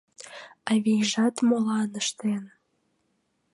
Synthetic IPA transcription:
ɑβʲijʒɑt̪molɑnə̆ʃt̪en

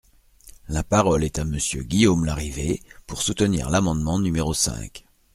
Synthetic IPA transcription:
lapaʁɔlɛt̪aməsjøɡʲijomlaʁivepuʁsut̪ənḭʁlamɑ̃d̪mɑ̃nymeʁosɛ̰̃k

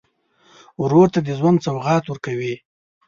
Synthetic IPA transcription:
wɾoɾt̪ad̪əzwand̪t͡sawɣɑt̪wəɾkawi

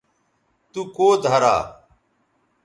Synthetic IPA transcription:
t̪uːkoːd̪ʱaːɾa̰ː

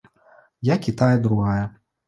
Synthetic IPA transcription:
jakʲit̪ajɐd̪ɾuɣajɐ

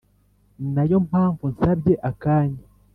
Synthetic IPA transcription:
najo̞m̥aːɱvun̩sabɟe̞ʔakaːɲa

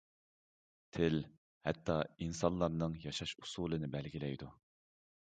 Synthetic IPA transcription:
t̪ʰɪl | hɛt̪ʰːɑinsɑnlˠːɑɾnɨŋjɑʃɑʃu̥suːlˠɨnɨbɛlɡʲilɛjd̪u

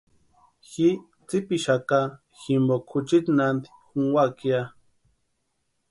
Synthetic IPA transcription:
xi | t͡sipiʃaka | ximbokʰut͡ʃit̪nand̪i̥xuŋwakia

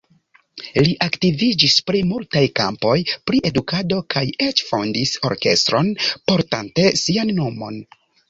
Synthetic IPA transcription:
liʔaktivid͡ʒispɾimultajka̰mpo̞jpɾiʔe̞dukado̞kʰaje̞t͡ʃfondiso̞̰ɾke̞̰st̪ɾo̞npo̞ɾtante̞sianːomo̞̰n

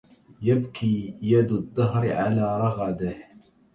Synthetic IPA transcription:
jabkiːjad̪d̪ˤːɑɦɾʕalaːɾˤɑɣad̪ah

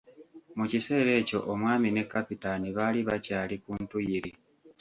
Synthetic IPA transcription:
mucise̞ːɾe̞ːco̞ʔomwaːmine̞kːapitaniβaːliβacaːlikuːntujiɾi

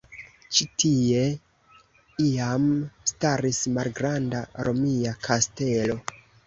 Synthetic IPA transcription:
t͡ʃitʰie̞ | iamstaɾismalɡɾandaɾo̞miakʰaste̞lo̞

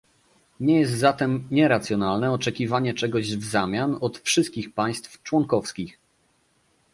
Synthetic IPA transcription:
ɲɛjɛs̬t̪zat̪ɛmɲɛɾat̪sʲjɔnalnɛɔt͡ʂɛkʲivaɲɛt͡ʂɛɡɔʑvzamʲjanɔt̪fʂɘst̪̚kʲixpaj̃st̪ft͡ʂwɔŋkɔfskʲix

